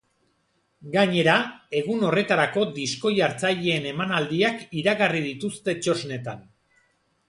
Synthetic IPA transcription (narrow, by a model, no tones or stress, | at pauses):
ɡaɲe̞ɾae̞ɣ̞uno̞re̞t̪aɾako̞d̪isko̞jaɾt͡saʎe̞ːne̞manald̪iakiɾaɣarið̞it̪ust̪e̞t͡ʃo̞zne̞t̪an